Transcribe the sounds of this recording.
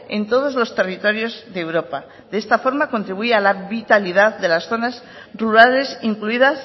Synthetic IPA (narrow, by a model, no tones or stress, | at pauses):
e̞nt̪o̞ð̞o̞zlo̞st̪e̞rit̪o̞ɾjo̞zðewɾo̞pa | ðe̞st̪afo̞ɾmako̞nt̪ɾiβuealaβit̪aliðaððe̞lasθo̞naz | ruɾale̞siŋkluiðas